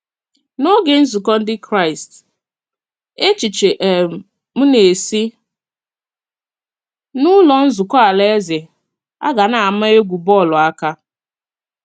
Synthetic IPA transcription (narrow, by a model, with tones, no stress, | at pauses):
no˦ɡe˨n̩˦zʊ˨kɔ˦n̩˦dɪ˦kɾa˦ɪ˨st | e˦t͡ʃi˨t͡ʃe˨ʔe˨ | m̩˦ne˨si˦ | nʊ˦lɔ˨n̩˦zʊ˨kɔ˦a˨le˦e˦ze˨ | a̰˦ɡa˨na˨a˨ma˦e˦ɡʷu˨bɔ˦˨lɔ˨a˦ka˦